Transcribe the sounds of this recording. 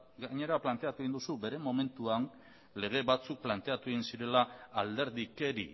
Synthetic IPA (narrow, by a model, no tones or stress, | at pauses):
ɡaɲe̞ɾaplant̪e̞at̪ueind̪usube̞ɾe̞mo̞me̞nt̪uan | le̞ɣ̞e̞βat͡suk̚plant̪e̞at̪ueɣinsiɾe̞laːld̪e̞ɾðike̞ɾḭ